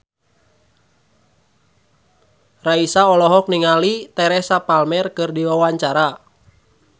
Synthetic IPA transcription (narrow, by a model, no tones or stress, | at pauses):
raisaɔlɔɦɔk̚niŋalit̪ɛɾɛsapalmɛrkɨrdiwawaɲt͡ʃaɾa